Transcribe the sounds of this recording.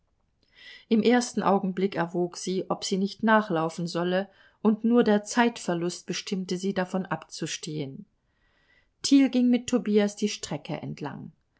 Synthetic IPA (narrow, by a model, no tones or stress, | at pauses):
ʔɪmʔeːɐstn̩ʔaʊɡŋ̩blɪkɛɐvoːkz̥iːʔɔpz̥iːnɪçtnaːχlaʊfn̩zɔlə | ʔʊntnuːɐdeːɐt͡saɪtfɛɐlʊst̚b̥əʃtʰɪmtəziːdafɔnʔapt͡suʃteːən | tʰiːlɡɪŋmɪtʰːobiːasd̥iːʃtʁ̥ɛkʰə̰ʔɛ̰ntʰla̰ŋ